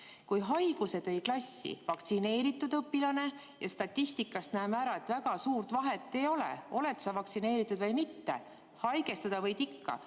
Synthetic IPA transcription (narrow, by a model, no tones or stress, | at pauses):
kujɦɑjɡ̥use̞d̪̥ejklɑsʲːḭvɑkt̪sine̞ːɾit̪ːˑud̪ɤpːilɑne̞ | jɑst̪ɑt̪ʲːist̪ikːˑɑst̪næːmæɾɑe̞t̪ːvæɡ̥ɑsuːrt̪vɑɦe̞t̪ːe̞jo̞lḛo̞le̞t̪sɑvɑkt̪sine̞ːɾit̪ːˑud̪̥vɤjmit̪ːe̞̰ | hɑjɡe̞st̪ud̪̥ɑvɤjt̪ikːɑ̰